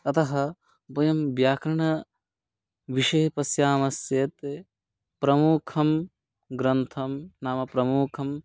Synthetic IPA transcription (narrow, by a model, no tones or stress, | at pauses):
ɐt̪ɐɦɐ̆ | bɐjɐmbjaːkɾɐɳɐ | ʋiʃɐjɐpɐsjaːmɐsjeːt̪e | pɾɐmuːkʰɐm | ɡɾɐnt̪ʰɐmnaːmɐpɾɐmuːkʰɐm